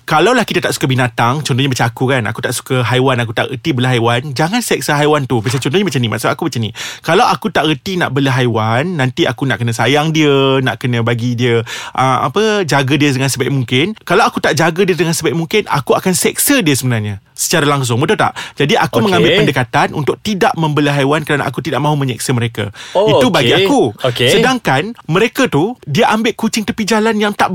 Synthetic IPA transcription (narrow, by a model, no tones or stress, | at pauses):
kalawlahkit̪at̪aʔsu̥kabinat̪aŋt͡ʃɔnt̪ɔhɲabət͡ʃaːkukana̰kut̪aʔsu̥kəɦajwanak̬ut̪aʔɣə̰t̪ibələɦajwand͡ʒaŋansɛk̚səɦajwant̪ubt͡ʃat͡ʃɔnt̪ɔhɲabət͡ʃanĩma̰ʔsabaʔakubət͡ʃanikalawakut̪aʔɣət̪ina̰ʔbələɦajwanːant̪iakuna̰ʔkənə̃sajaŋdiəna̰ʔkənə̃baɡidiəʔəma̰pəd͡ʒaɡədiədəŋansəbajʔ̚muŋkɪnkalawakut̪aʔd͡ʒaɡədiədəŋansəbajʔmuŋkɪna̰kuakansɛksədiəsəbənarɲa | sə̥t͡ʃaɾalaŋs̬ʊŋbət̪ut̪a̰ʔd͡ʒadiʔakuməŋãmbɪllpəndəkat̪anʔṵnt̪ʊk̚t̪idaʔmə̃mbələɦajwankəɾana̰ʔakut̪idaʔmãɦumə̃ɲɛk̚səməɾeka̰it̪ubaɡiakuokesədaŋkanməɾekat̪udiəʔambɪʔkut͡ʃɪŋt̪əpid͡ʒalanjaŋt̪aʔ